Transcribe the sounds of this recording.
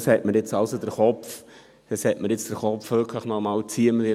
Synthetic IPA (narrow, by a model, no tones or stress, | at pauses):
shɛtməɾjɪt͡sɑʊsod̥əɾχɔpf | dəshɛtməɾjɪt͡sd̥əɾχɔpfʋøkʰləχnɔmɑlt͡siəməɪ